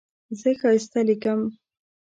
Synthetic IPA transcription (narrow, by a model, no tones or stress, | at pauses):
zəxɑst̪alikəm